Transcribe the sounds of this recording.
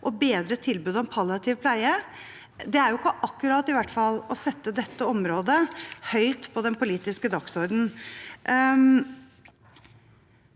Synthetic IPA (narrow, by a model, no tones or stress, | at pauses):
ʔɔbeːd̪ɾət̪ʰɪlbʉːd̪ɔɛnpʰɑlɪɑt̪ʰɪːʋpʰlæɪə | d̪ɛæɾjʊɪkːəʔɑkːʉɾɑːt̪ɪʋæʈːfɑlːɔsɛt̪ːəd̪ɛt̪ːəɔmɾoːd̪əhœʏt̪pʰɔd̪ɛnpʊliːt̪ɪskəd̪ɑksɔɾd̪n̩